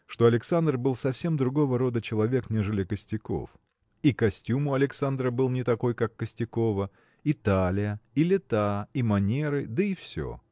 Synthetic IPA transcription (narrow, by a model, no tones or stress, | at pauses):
ʂt̪o̞ɐlʲɪksand̪rbɨlˠsɐfsʲe̞md̪ɾʊɡo̞vəɾo̞d̪ət͡ɕɪlˠɐvʲe̞knʲeʐɨlʲɪkəsʲtʲɪko̞̰f | ikɐsʲtʲumʊɐlʲɪksand̪ɾəbɨlˠnʲɪt̪ɐko̞jkakːəsʲtʲɪko̞və | ɪt̪alʲɪjəilʲɪt̪aimɐnʲe̞ɾɨd̪əifsʲo̰